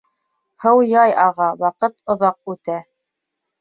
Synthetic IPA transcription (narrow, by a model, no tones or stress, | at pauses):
hɤwjɑjɑʁɑwɑqɤt̪ŏðɑq̚ʉt̪æ